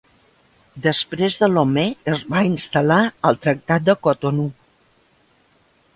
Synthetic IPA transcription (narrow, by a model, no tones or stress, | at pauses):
d̪əspɾezðəlomeəzβainst̪əlaəlˠt̪ɾək̚t̪at̪̚d̪əkot̪onu